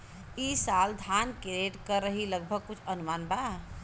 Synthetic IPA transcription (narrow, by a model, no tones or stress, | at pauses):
isald̪ʱankeɾeʈkəɾəɦiləɡ̚bʱəɡ̚kut͡ʃʰənumanba